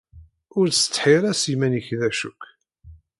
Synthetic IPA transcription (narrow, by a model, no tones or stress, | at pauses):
ʊɾsə̥t͡sːħiɾˤæsimænəçðæʃṵkː